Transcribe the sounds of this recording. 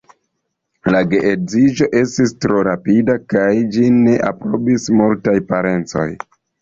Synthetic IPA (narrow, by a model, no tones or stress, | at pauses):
laɡe̞ʔezid͡ʒo̞ʔe̞stistɾo̞ɾapidakajd͡ʒine̞ʔapɾo̞bismultajpaɾe̞nt͡so̞̰j